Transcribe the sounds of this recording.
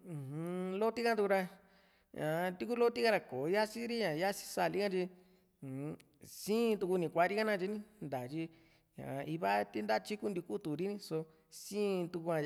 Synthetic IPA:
ũ˨hũ˧lo˦t̪i˦kã˦t̪u˧ku˧ɾa˧ | ɲã̰˨˧t̪i˦ku˦lo˦t̪i˦ka˧ɾa˧ko˨˧ja˦si˦ɾi˦ɲã˨ja˦si̥˦sa˧˨li˦kã˦t͡ʃĩ˧˨˧ | sĩː˦˧t̪u˧ku˧nĩ˧˨kʷa˧˦ɾi˦ka˦nã˦˧t͡ʃi˧nĩ˦nd̪a˨t͡ʃi˧ | ɲã̰˨˧i˧βa˦t̪i˦nd̪a˦˧t͡ʃi˦ku˦nd̪i˧ku˦t̪u˨ɾi˦nĩ˦so˧ | sĩː˦˧t̪u˧ku˧ã˧

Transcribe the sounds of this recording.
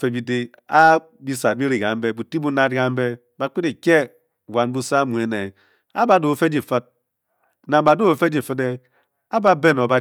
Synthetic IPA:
fe˨bi˨de˦ | a˦ | bi˦sa˨bi˦ɾi˨ɡa˨m̩˦be˦bu˨ti˦bu˦na˦d̚ɡa˦m̩˦be˦ | ba˨k͡pi˦de˨kʲe˦ | wa˨nbu˦sa˦mu˨e˨ne˨ | a˦ba˨˦do˨o˨fe˦d͡ʒi˨fə˦t̚ | na˨m˦ba˨du˦o˨fe˦d͡ʒi˦˨fɨ˦de˦ | a˦ba˦be˦no˨ba˨

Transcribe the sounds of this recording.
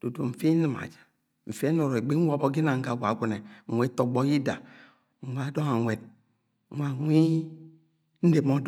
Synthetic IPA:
d̥o˨do˨m̩˨fe˦nɨ˨ma̰˨d͡ʒḁ˨ | ɱ̩˨fe˦no˨ɾo˨e˨ɡ͡be˦ŋ̩ʷ˦o˦bo˦ɡi˦na˨ŋ̩˦ɡa˨ɡʷa˨ɡʷu˨ne˨ŋ̩ʷ˨e˨˦to˨ɡ͡bo˦ɡi˦da̰˨ | ŋ̩˨wʷa˨˦do˦ŋa˨ŋʷe˨t̚ | ŋ̩˦wa˨˦ŋʷi˦ | n̩˦de˨mɔ˦d

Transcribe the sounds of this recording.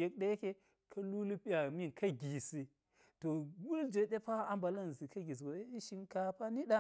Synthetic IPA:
je˦k̚ɗe˦je˦ke˦ | kʰɐ˦lu˦li˦pi˦ja˨mi˦nkɐ˦ɡʲi˨si˨ | to˨ɡu˦ld͡ʒe˨ɗe˦pa˦a˨mba˨lɐ˦n˨zi˨kɐ˦ɡi˨s̬i˨ɡo˨˦ʃi˦nka˨pa˦ni˦ɗa˦

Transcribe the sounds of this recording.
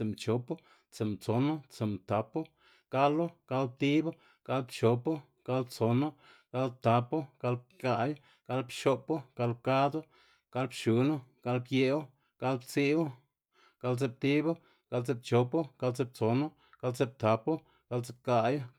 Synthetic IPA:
e˨mt͡ʃo˨po˦ | t͡se˨mt͡so˨no˦t͡se˨mt̪a˨po˦ | ɡ̥a˦lo˦ɡ̥a˧lp̚t̪i˦bo˦ | ɡ̥a˧lbt͡ʃo˨po˦ | ɡ̥a˧lt͡so˨no˦ | ɡ̥a˧˦l̚t̪a˨po˦ɡ̥a˧lb̚ka˧jo˦ | ɡ̥a˧lpʃo˧po˦ɡ̥a˧lb̚ka˦d̪o˦ | ɡ̥a˧lbʃu˨˧no˦ɡ̥a˧lbje˧o˦ | ɡ̥a˧lbt͡si˦u˦ | ɡ̥a˧lt͡se˧p̚t̪i˦bo˦ | ɡ̥a˧lt͡se˧b̚t͡ʃo˨˧po˦ɡ̥a˧lt͡se˧˦b̚t͡so˨no˦ | ɡ̥a˧lt͡se˧b̚t̪a˨po˦ | ɡ̥a˧lt͡se˧p̚ka˧jo˦

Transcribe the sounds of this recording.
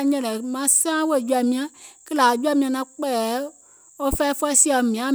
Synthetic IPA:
ɲɛ̃˦lɛ˨mã˦sã˦we˦˨d͡ʒu˦a˨mĩ˨˦ã˦ki˦la˨d͡ʒu˦a˦˨mĩ˨˦ã˨nã˦k͡pɛ˦˨ | o˦fɛ˦fɛ˦si˦a˨mĩ˨ã˨˦

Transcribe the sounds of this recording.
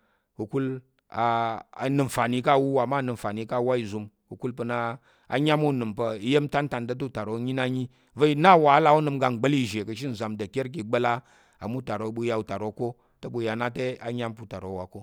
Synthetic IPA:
ku˨ku˦l | a˨a˨nɨ˨mfa˨ni˨ka˦˨wu˦wa˨ma˦˨nɨ˨m˨fa˨ni˨˦ka˦˨˦wa˦i˨zu˧m | ku˨ku˦lpə˧na˦ | a̰˨ɲʲa˦mu˦˨nɨ˨mpə˧i˦je˦m˦ta˦n˦ta˧nt̬ə˦t̬u˦u˨ta˨ɾo˨˦ɲi˦na˦ɲi˦ | və˦i˦na˦˨wa˨˦la˦o˦nɨ˧mɡa˧ŋ˨ɡ͡bə˦li˦˨ʒe˨kə˧ʃ̬i˦n̩˨za˨mdə˨kʲe˦ɾk̬i˨ɡ͡bə˦la˦ | a̰˨mu˦˨ta˨ɾo˨˦ɓu˧˦ja˨˧u˨ta˨ɾo˨˦ko˦ | tə˦ɓu˧ja˨na˦te˦a˨ɲa˦mpu˦ta˨ɾo˨˦wa˨ko˦

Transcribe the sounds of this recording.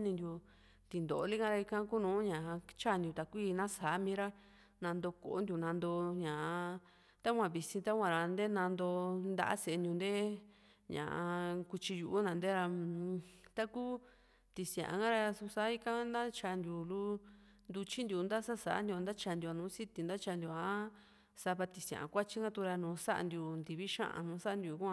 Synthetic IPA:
nĩ˧nd̪ʲju˧ | t̪i˨nd̪o˨ʔo˧li˦kã˧ɾa˧i˧kã˦ku˦nũː˨˦ɲã˨˧t͡ʃa˦˨nd̪ju˧t̪a˨kʷi˦˧nã˦sa˨˦mĩː˧˦ɾa˦ | nã˧nd̪o˧ko̰˨o˦nd̪ʲju˧nã˧nd̪o˧ɲã˨˧ | t̪a˦kʷã˧˨βi˧sĩ˧t̪a˦kʷã˧ɾa˧nd̪e˦nã˧nd̪o˧nd̪a̰˦ʔa̰˦se˨e˧nd̪ʲjũ˧nd̪e˦ | ɲã̰˨ʔku˧t͡ʃi˧ju˧ʔːnã˧nd̪e˦ɾa˧ | t̪a˦ku˦ | t̪i˨sj̃ã̰˨ʔã˧ŋɡa˦ɾa˧su˧sa˧˦i˦kã˦nd̪a˦t͡ʃa˧nd̪ju˧˨lu˦ | nd̪u˧t͡ʃi˦nd̪ju˧˨nd̪a˦sa˦sa̰˨a̰˦nd̪ʲa˧nd̪a˦t͡ʃa˧nd̪ʲu˧a˧nũː˨˦si˦t̪i˧nd̪a˦t͡ʃa˧nd̪ju˧a˧˦ | sa˧βa˧t̪i˧˨sã̰˨ʔkʷa˦t͡ʃi˦ŋɡã˦t̪u˧ɾa˧nũː˨˦sa˦ʔa̰˧nd̪ju˧nd̪i˨˧βi˦ʃã̰˦ʔã̰˧nũː˧˦sa˦˧nd̪ʲju˨˧˨kʷã˧

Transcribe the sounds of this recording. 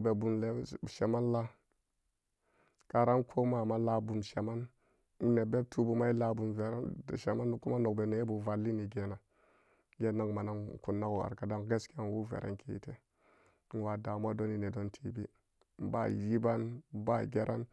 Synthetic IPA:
be˨bu˨nle˦˨ʃe˨ma˦nla˦ | ka˨ɾa˦nkʰo˦ma˦˨ma˦la˦bu˨mʃe˨ma˦n˦ | ne˨be˦b̚tʰu˦bu˦ma˦i˦la˨bu˨mve˨ɾa̰˦˨ʃe˨ma˦n˦ku˦ma˦no˨kbe˨ne˨˦bu˨va˨lːi˦ni˨ɡe˨na˨ | ɡe˦na˦ŋ˨ma˨na˦n˨ku˨nːa˦ɡu˨a̰˨ɾka˨da˦ŋɡe˦ske˦˨nwu˦vḛ˨ɾʔḛ˦nkʰḛ˦˨˦tḛ˦ | n˨wa˨da˨m˦a˦do˦ni˨ne˨do˦ntʰi˨bi˦˨ | ba̰˦ji˦ba˦nba˦˨ɡe˦ɾʔa˦n

